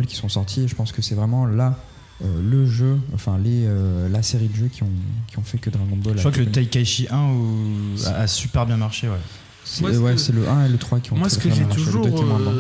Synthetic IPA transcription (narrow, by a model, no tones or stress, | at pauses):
lkʲi̥sɔ̃sɔʁt̪ʰieʒəpɑ̃skəsɛvʁɛmɑ̃la | øləʒøɑ̃fɛ̃leølaseʁid̪əʒøkʲʰiɔ̃kʲiɔ̃fɛkəd̪ʁaɡɔ̃bɔlawakələt̪ajkaʃiʔɛ̃ | a̰ʔasypɛʁbjɛ̃maʁʃewɛ | sɛwɛsɛləʔɛ̃elət̪χwakʲiɔ̃masʒɛt̪uʒuɛemwɛ̃ʁɛ̃